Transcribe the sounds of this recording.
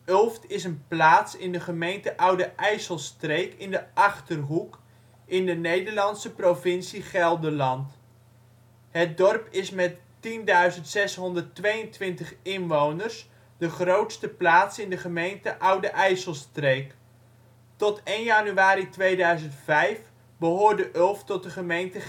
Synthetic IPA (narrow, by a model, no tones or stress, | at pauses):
ɵlˠftɪsənplaːtsɪndəχəmejntəʔʌwdəʔɛjsəlˠstrejkɪndəʔɑχtərɦuk | ʔɪndənejdəɹlɑntsəprovɪnsiχɛlˠdəlɑnt | ɦət̚dɔrpɪsmɛt | tindœɥzəntsɛsɦɔndərtʋejəntʋɪntəχɪnʋownərs | dəχrowtstəplaːtsɪndəχəmejntəʔʌwdəʔɛjsəlˠstrejk | tɔtejnjanyʋaːɾitʋejdœɥzəntfɛjf | bəɦʊːɹdəʔɵlˠftɔt̚dəχəmejntə